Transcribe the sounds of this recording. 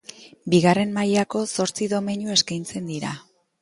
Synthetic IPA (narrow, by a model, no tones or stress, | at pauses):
biɣare̞mmajako̞so̞ɾt͡siðo̞me̞ɲue̞skajnt͡se̞nd̪iɾa